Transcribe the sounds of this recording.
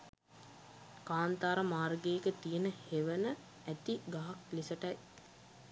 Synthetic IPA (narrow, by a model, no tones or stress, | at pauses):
kaːnt̪aːɾəmaːrɡeːkət̪ijənəheʋənə | æt̪iɡaɦak̚lisəʈɐj